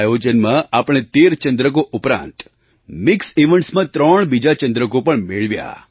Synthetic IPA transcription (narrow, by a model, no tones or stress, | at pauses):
jod͡ʒənmãapɽ̃et̪eɾt͡ʃənd̪ɾək̬oʔʊpɾã̰nt̪ | mɪkseʋə̃ɳʈsmãt̪ɾəɳbid͡ʒat͡ʃə̃nd̪ɾəkopəɳmeɭʋja̰